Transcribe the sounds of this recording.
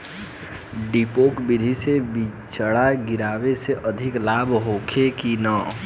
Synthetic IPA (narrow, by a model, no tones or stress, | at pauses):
ɖipoːkbid̪ʱisebi | t͡ʃəɽaɡiɾaːweseʔəd̪ʱɪklaːbʱɦoːkʰekinə